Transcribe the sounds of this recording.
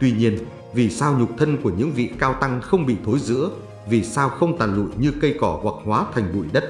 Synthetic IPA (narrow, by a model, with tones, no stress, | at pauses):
t̪wi˧ɲi˧ən | vi˨˩saː˧wɲʊ˨˩k͡p̚t̪ʰə˧nku˧˩əɲɨ̰˧˥ŋvḭ˧˨kaː˧wt̪a˧ŋxə˧wŋ͡mɓḭ˧˨t̪ʰo˨˦jzɨ̰˧˥ə | vi˨˩saː˧wxə˧wŋ͡mt̪a̰ː˨˩nlṵ˧˨jɲɨ˧kə˧jkɔ˧˩hwa˨˩k̚hwaː˨˦t̪ʰa˨˩jŋ̟ɓṵ˧˩˨jɗə˦˥t̚